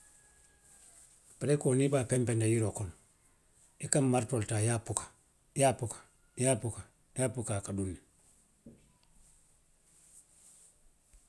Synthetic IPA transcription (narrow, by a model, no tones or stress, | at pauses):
paɾekonibapempendajiɾokon | ikamːaɾtoltajapukḁ | japukḁ | japuka | japukakadunːi